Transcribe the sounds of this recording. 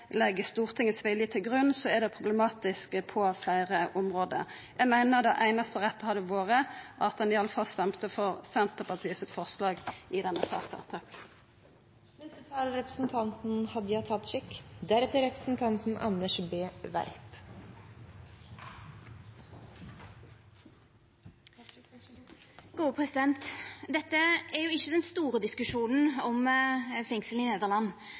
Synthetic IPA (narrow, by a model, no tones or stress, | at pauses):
lɛɡːəst̪uːʁt̪ʰɪŋəsʋɪljət̪ʰɪlɡʁʉnsɔɛd̪ɛpʰʁʊblɛmɑːt̪ɪskpʰɔflæɪʁəʔʊmʁoːd̪ə̰ʁ | jæɪmæɪnəʁd̪ɑʔæɪnɑst̪əʁɛt̪ːəhɑd̪əʋoːʁəʔɑt̪̚d̪ɑnɪɑləfɑlst̪ɛmt̪əfɔʁsɛnt̪əʁpʰɑʁt̪ʰiːəsɪt̪fɔʁslɑːɡʔɪd̪ɛnːəsɑ̰st̪ɑ̰ʁt̪ʰɑp | nɛst̪ət̪ʰɑːlɾɛpɾəsn̩t̪ʰɑnt̪n̩hɑd̪ːəjɑt̪ʰɑt̪ːʂɪkːd̪æɾɛt̪əɾɛpɾəsn̩t̪ʰɑnt̪n̩ʔɑ̰nːəʂbeːʋæ̰ɾp | ɡ̥uːpʰʁɛsɪd̪ɛnt̪d̪ɛt̪ːəæʁjʊɪçːəd̪ɛnst̪uːʁəd̪ɪskʉʂuːnn̩ɔmfɛŋsl̩n̩ɪneːd̪əʁlɑnː